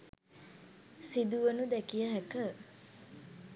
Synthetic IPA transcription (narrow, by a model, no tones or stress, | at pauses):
sid̪uʋənud̪ɛkijəɦækə